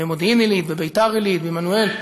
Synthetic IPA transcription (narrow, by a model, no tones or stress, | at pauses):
emod̪iimilit̪bebejt̪aʁilit̪bemanuel